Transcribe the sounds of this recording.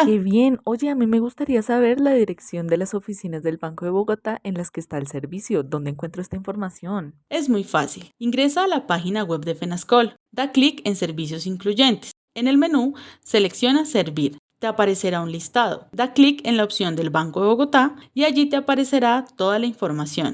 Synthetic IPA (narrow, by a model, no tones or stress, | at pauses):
keβje̞no̞ʝe̞amime̞ɣust̪aɾiasaβ̞e̞ɾlaðiɾe̞ksjo̞nd̪e̞laso̞fisinazd̪e̞lbaŋko̞ðe̞βo̞ɣo̞t̪aʔe̞nlaske̞ːst̪aelse̞ɾβisjo̞d̪o̞nd̪eŋkwe̞nt̪ɾoe̞st̪aiɱfo̞ɾmasjo̞ne̞zmujfa̰siliŋɡɾe̞saːlapaxinaɣwe̞bd̪efenasko̞l | d̪aklike̞nse̞ɾβis̬jo̞siŋkluʝe̞nt̪e̥s | e̞ne̞lme̞nuse̞le̞ksjo̞nase̞ɾβiɾt̪eapaɾe̞se̞ɾaunlist̪að̞od̪aklike̞nlaopsjo̞nd̪e̞lbaŋkoðeβo̞ɣo̞t̪aiaʝit̪eapaɾe̞se̞ɾat̪o̞ðalaiɱfo̞ɾmasjo̞̰n